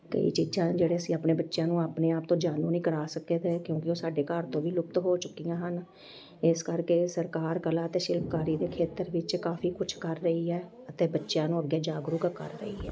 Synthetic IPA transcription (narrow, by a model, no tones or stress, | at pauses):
kə̰ḭːt͡ʃiːzãːd͡ʒeːɽeːəsiːaːpneːbətːʃjãːnũːaːpneːaːp̚t̪õːd͡ʒaːnũːnĩːkəɾaːsəkeːt̪eːkjõːkɪoːsaːɖeːkaːɾt̪õːʋiːlʊk̚t̪ɦoːt͡ʃʊkːijãːɦən | ɪskəɾkeːsəɾkaːɾkəlaːət̪eːʃɪlpkaːɾiːd̪eːkʰeːt̪əɾʋɪt͡ʃkaːfʰiːkʊt͡ʃʰkəɾːəiːɛː | ət̪eːbətːʃjãːnũːəɡːeːd͡ʒaːɡɾukkə̰ɾːəḭːɦɛ̰ː